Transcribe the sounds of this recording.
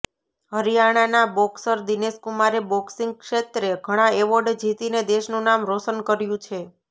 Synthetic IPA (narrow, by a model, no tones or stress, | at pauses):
ɦəɾijaɽ̃anabɔksəɾd̪ineskumaɾebɔksiŋɡ̚kʃet̪ɾeɡʱəɽ̃aeʋəɾɖd͡ʒʱit̪ined̪eʃnũnamɾosənkəɾjũt͡ʃʰe